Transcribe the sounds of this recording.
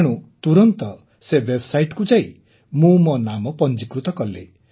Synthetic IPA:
ɽ̃ut̪uɾɔnt̪ɔ | sebebsajʈkud͡ʒai | mũmɔnamɔpɔnd͡ʒikɾut̪ɔkʌlḛ

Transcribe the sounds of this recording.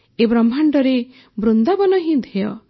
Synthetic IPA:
ebɾɔmbʱaɳɖɔɾe | bɾund̪abɔnɔɦĩd̪ʱeɔ̰

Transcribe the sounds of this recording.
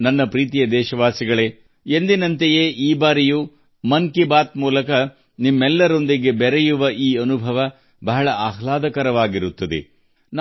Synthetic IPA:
nɐnːɐpɾiːt̪ijɐd̪ɛːʃɐʋaːsiɡɐɭeː | end̪inɐnt̪ejeːʔiːbaːɾiju | mɐŋkibaːt̪̚muːlɐkɐ | nimːɛlːɐɾo̞nd̪iɡe̞bɛɾɛjuʋɐʔiːɐnubʱɐʋɐ | bɐɦɐɭɐʔaːɦlaːd̪ɐkɐɾɐʋaːɡiɾut̪ːɐd̪ḛ | n

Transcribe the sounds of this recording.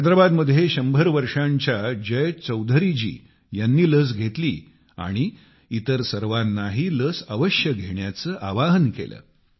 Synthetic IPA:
d̪ɾabad̪məd̪ʱjeɕəmbʱəɾʋəɾʂaɲt͡ɕjad͡ʑəjt͡səwd̪ʱəɾid͡ʑḭː | janːiːləs̬ɡʱet̪lḭː | a̰ɽ̃iː | t̪əɾsəɾʋanːaɦiːləːsəʋəɕjəɡʱeɳjat͡səːʔaʋaɦənkḛlə̰ː

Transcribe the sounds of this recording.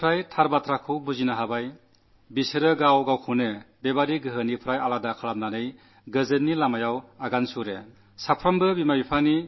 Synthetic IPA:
pʰɾajtʰaɾbatʰɾakʰɯwbuzinaɦabaj | biseɾɯɡawɡawkʰunɯbebaɾiɡɯɦɯnipʰɾajaladakʰaɾap̚nanɯj | ɡɯzɯtnilamajawaɡansuɾe | sapʰɾambɯbimabipʰani

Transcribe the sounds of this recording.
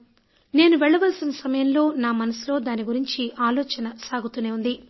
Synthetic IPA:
ne̞ːnuʋɛɭːɐʋɐlsinɐsɐmɐjɐmlo̞ːnaːmɐnɐsilo̞ːd̪aːniɡuɾiɲt͡ʃiʔaːloːt͡ʃɐnɐsaːɡut̪une̞ːund̪i

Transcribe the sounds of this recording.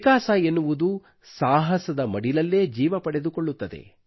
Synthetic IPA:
ikaːsɐenːuʋud̪u | saːɦɐsɐd̪ɐmɐɽilɐlːeːd͡ʒiːʋɐpɐɽe̞d̪ukoɭːut̪ːɐd̪ḛ

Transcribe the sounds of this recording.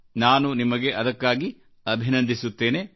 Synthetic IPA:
naːnunimɐɡe̞ʔɐd̪ɐkːaːɡi | ɐbʱinɐnd̪ʱisut̪ːe̞ːne

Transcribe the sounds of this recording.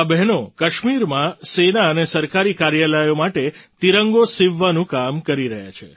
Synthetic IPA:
abɛɦnokəʃmiɾmãsenaənesəɾkaɾikaɾjalajomaʈet̪iɾəŋɡosiʋːənũkamkəɾiɾəɦja̰t͡ʃʰḛ

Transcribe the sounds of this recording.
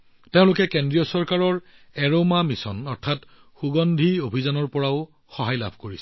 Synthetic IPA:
teʊ̃lʊkɛkendɹijɔsɔɹkaɹɔɹ | ɛɹomamisɔnɔɹtʰat | xuɡɔndʱiobʱizanɔɹpɔɹaʊ | xɔɦajla̰bʱkoɹisɛ

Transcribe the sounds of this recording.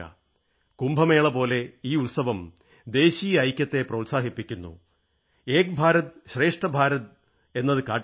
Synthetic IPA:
ɐ̰ | kumbʱɐme̞ːɭɐpo̞ːle̞iːulsɐʋɐm | d̪e̞ːɕijɐːjkʲːɐt̪ːe̞prɐwut̪ʲsaːɦipːikʲːunːṵ | eːk̚bʱaːɾɐt̪ɕre̞ːʂʈɐbʱaːɾɐt̪̚ | e̞nːɐðɨkaːʈː

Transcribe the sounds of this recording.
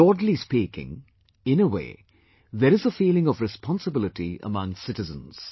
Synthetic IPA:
ɔːɖlispiːkɪ̰̃ŋ | ɪ̃nəwḛː | ðəɾɨzəfiːlɪ̃ŋɔvɾɨspɔ̃nsəbɪlɪʈiə̰mʌ̃ŋsɪʈɨzə̰̃nz̥

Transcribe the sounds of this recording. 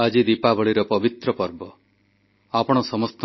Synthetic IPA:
ad͡ʒid̪ipabɔɭiɾɔpɔbit̪ɾɔpɔɾbɔ | apɔɽ̃ɔsɔmɔst̪ɔ

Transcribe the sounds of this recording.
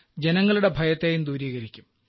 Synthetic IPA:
d͡ʑenɐŋːɐɭuɽe̞bʱɐjɐt̪ːeːjumd̪uːɾiːɣɐɾikʲːum

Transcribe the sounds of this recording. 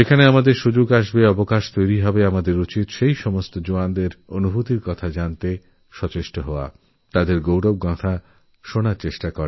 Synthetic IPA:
ekʰaneamad̪eɾʃud͡ʑoɡaʃ̬beɔbokaʃt̪ojɾiɦɔbeamad̪eɾut͡ɕit̪ʃejʃɔmost̪od͡ʑoand̪eɾonubʱut̪iɾkɔt̪ʰad͡ʑant̪e | ʃɔt͡ɕeʃʈoɦɔoa̰ | t̪ad̪eɾɡowɖob̚ɡɔ̃t̪ʰa | ʃonaɾt͡ɕeʃʈakɔɾe

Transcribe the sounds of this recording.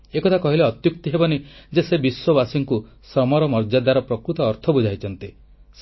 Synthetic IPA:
ekɔt̪ʰakɔɦileɔt̪juk̚t̪iɦebɔned͡ʒesebiswɔbasiŋku | sɾɔmɔɾɔmɔɾd͡ʒad̪aɾɔpɾɔkɾut̪ɔːɾt̪ʰɔbud͡ʒʱajt͡ʃʰɔnt̪i | s

